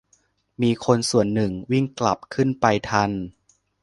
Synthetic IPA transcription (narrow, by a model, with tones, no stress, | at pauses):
miː˧kʰo˧nsu˨˩ənːɯ˨˩ŋwi˥˩ŋkla˨˩p̚kʰɯ˥˩npa˧jt̪ʰa˧n